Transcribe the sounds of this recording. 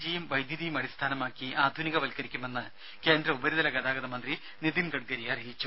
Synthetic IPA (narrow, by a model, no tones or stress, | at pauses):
d͡ʑijɐmʋɐjd̪ʱjɐðijumɐɽist̪ʰaːnɐmaːkːiʔaːd̪ʱuniɣɐʋɐlkɐɾikʲːume̞nːɨ | ke̞ːnd̪ɾɐubɐɾiðɐlɐɡɐd̪aːɡɐðɐmɐnd̪ri | nid̪inɡɐɖ̚ɡɐɾiɐrijit͡ɕːu